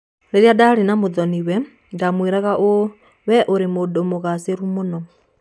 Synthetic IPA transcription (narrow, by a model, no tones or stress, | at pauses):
neɾjadaɾenamoðɔniwɛ | ɡamweɾaɣaʔo | wɛʔoɾemodomoɣaseɾumonɔ